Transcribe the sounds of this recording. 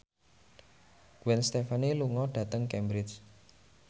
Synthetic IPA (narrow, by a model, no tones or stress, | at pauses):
ɡ̥wɛnst̪ɛfaniluŋɔɖ̥ä̤t̪əŋkɛmbɾɪt͡ʃ